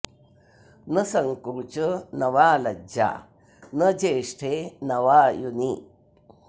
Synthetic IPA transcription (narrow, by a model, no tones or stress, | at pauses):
nɐsɐŋkuːt͡ʃɐnɐʋaːlɐd͡ʒa̰ː | nɐd͡ʒeːʂʈʰeːnɐʋaːjuni